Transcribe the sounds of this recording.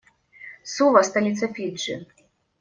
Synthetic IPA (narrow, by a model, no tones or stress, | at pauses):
suvɐst̪alʲit̪sɐfʲit͡ʂːɨ